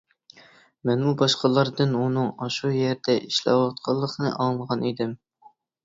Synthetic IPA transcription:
mɛnmubɑʃqɑlˠɑɾd̪ɨnunɨŋɑʃujɛɾd̪ɛʔiʃlɑ̰wɑt̪̚qʰɑlˠːəqnɨ̰ʔɑməʁɑnid̪ɪm

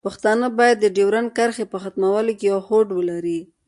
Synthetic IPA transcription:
paxt̪ɑnəbɑjad̪ːəɖewɾankaɾxepəxat̪mawalokejawhoɖwəlaɾi

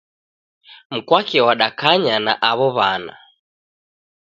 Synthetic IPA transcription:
m̩kwakɛwaɗakaɲana̰ʔaβɔβana̰

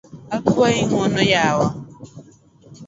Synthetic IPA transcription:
akaiŋ̩ɔnɔjawa

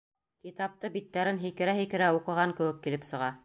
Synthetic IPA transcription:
kit̪ɑp̚t̪ɤbit̪ːæɾɘnɦikɘ̆ɾæɦikɘ̆ɾæuqɤ̆ʁɑŋkɘ̆wɘkːilɘpsɤ̆ʁɑ

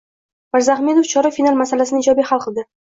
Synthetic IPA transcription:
maɾzaχme̞d̪oft͡ʃʰɒɾafinalˠmasalasɪnɪd͡ʒɒbiχalˠqɨlˠd̪ɪ

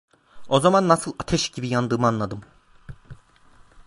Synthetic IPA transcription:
o̞zamanːasɯlˠat̪ʰɛʃɟibijand̪ɯːmɯanlˠad̪ɯm

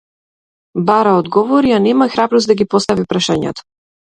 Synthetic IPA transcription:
baɾaɔd̪ɡɔvɔɾianɛmaxɾabɾɔsd̪aɡipɔst̪avipɾaʃaɲɛ̰t̪ɔ̥

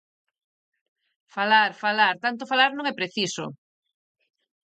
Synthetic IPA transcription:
falaɾfalaɾt̪ant̪̬ofalaɾnõŋɛpɾeθiso̰

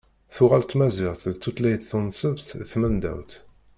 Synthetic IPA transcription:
θʊʁælt̪ːmæziʁt̪lt̪ːut̪læjt̪θənsəvt̪θmənd̪æ̰wt̪

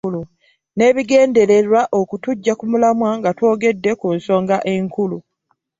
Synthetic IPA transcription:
lu | ne̞ːβiɡe̞ːnde̞ɾe̞ɾwaʔo̞kutuɟːakumulamwaŋɡatwo̞ːɡe̞dːe̞kunso̞ːŋɡaʔe̞ŋkulu

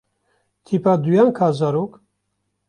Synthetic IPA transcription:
t̪ʰipad̪ujankʰaːzaɾok

